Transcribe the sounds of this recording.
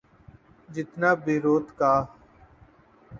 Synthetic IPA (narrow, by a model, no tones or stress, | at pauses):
d͡ʒɪt̪naːbɪːɾoːt̪kaː